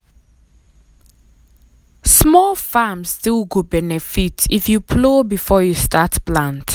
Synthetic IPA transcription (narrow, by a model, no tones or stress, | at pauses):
smɔlˠfamsstilˠɡobɛnɪfitʰifjupʰloːbifɔːjustatplãnt